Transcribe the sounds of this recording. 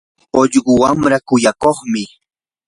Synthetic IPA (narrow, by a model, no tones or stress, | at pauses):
oʎɢʊwamɾakʊjakoχmɪ